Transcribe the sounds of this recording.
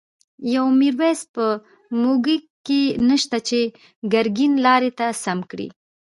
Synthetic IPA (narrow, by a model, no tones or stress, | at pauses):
jawmiɾwespə | moɡi | kenəʃt̪at͡ʃe | ɡaɾɡinlɑɾet̪asamkɽḭ